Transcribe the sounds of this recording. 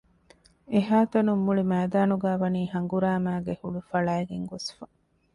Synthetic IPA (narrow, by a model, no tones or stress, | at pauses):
eɦaːt̪ɐnumːuɭimæːd̪aːnuɡæːʋɐniːhɐŋɡuɾaːmæːɡehuɭufɐɭæːeɡeŋɡosfɐ